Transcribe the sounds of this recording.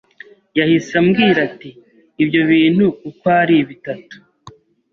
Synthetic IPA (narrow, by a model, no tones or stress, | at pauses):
jahisamɡiːɾatiː | bjo̞βiːn̥hukukwaːɾiβitatu̥